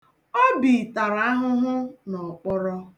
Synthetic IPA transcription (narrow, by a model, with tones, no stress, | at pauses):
ɔ˦bi˨ta˨ɾa˨˦a˦ɦʊ˦ɦʊ˦nɔ˨k͡pɔ˦ɾɔ˦